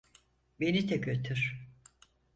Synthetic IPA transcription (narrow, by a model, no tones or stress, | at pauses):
benit̪ʰɛkøt̪ʰyɾ̥